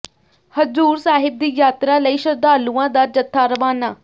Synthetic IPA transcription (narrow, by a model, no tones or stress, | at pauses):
həzuːɾsaːɦɪb̚d̪iːjaːt̪ɾaːləiːʃəɾd̪aːlũːãːd̪aːd͡ʒət̪ʰːaːɾəʋaːnaː